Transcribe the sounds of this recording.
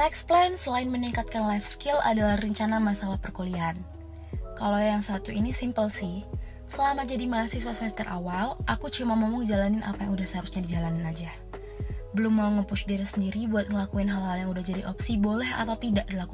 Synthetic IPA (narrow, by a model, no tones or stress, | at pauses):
ɛksplajnsəlaɪnməniŋkat̪̚kanlajfskɪla̰dalahrəɲt͡ʃanamasalahpərkolian | kalojaŋsat̪uinisimpəlsɪh | səlamad͡ʒadimasiswasmɛst̪ərʔa̰walʔakut͡ʃumamomuŋd͡ʒalanɪnʔa̰pajaŋudahsəaɾusɲadid͡ʒalanɪnad͡ʒa | bəlʊmːauŋəpusdiɾasəndiɾibuat̪̚ŋəlakuɪnɦalhaljaŋudahd͡ʒadiʔɔpsibolɛɦa̰t̪awt̪idaʔdilaku